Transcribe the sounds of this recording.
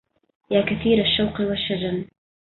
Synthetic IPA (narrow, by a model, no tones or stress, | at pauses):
jaːkaθiːɾaʃːawqɪwaʃːad͡ʒam